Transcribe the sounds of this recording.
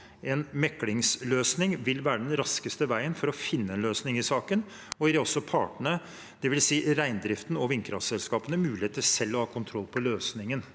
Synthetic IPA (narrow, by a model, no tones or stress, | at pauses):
ɛnmɛkːlɪŋsløːsnɪŋʋɪlʋæːɾəɖɛnɾɑskəst̪əʋæɪənfɔɾɔfɪnːəɛːnløːsnɪŋɪsɑːkən | ɔɪd̪ɛɔsːɔpʰɑ̰ːʈəɳə | d̪̥ɛʋɪlsiːɾæɪnd̪ɾɪft̪nɔʋɪŋkɾɑsɛlskɑːpənəmʉːlɪheːt̪ːəsɛlːɔhɑːkʰʊnt̪ʰɾɔlːpʰɔløːsnɪŋən